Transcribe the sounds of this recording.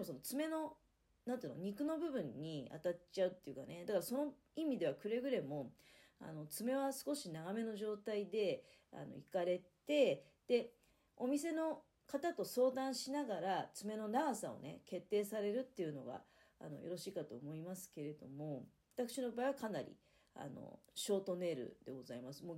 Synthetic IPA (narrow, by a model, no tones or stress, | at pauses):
d̪emoso̞not͡sɨme̞no̞ | nãnt̪eiɯnoɲ̟ikɯ̟no̞bɯ̟bɯ̟̃ɲ̟ːia̰t̪at͡ɕaɯ̟t̪ːe̞jɯ̟kane̞d̪akaɾaso̞no̞ | imʲid̪e̞βakɯ̟ɾe̞ɡɯ̟ɾe̞mo̞a̰no̞t͡sɨme̞β̞asɨ̥ko̞ɕinaɡame̞no̞ʑo̞ːt̪aid̪e̞ | a̰no̞̰ikaɾe̞tt̪e̞ | d̪̥e̞ | o̞mʲise̞no̞ | kat̪at̪o̞so̞ːd̪ãɰ̃ɕinaɡaɾat͡sɨme̞no̞naɡasao̞̰ne̞̰ke̞t̪ːe̞ːsaɾe̞ɾɯ̟t̪ːe̞jɯ̟no̞ɡa̰ | a̰no̞̰jo̞ɾo̞ɕiːkat̪o̞ːmo̞imasɨ̥ke̞ɾe̞d̪o̞mo̞ | at̪akɯ̥ɕino̞baːiβakanaɾʲḭ | a̰no̰ɕo̞ːt̪o̞ne̞ːɾɯ̟̰d̪̥e̞ɡo̞zaimasɨ̥mo